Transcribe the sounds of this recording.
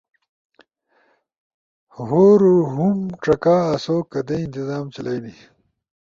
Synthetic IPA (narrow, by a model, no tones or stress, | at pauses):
ɦoːɾuɦumʈ͡ʂɐkaːsoːkɐd̪eint̪izaːmt͡ɕɐlajni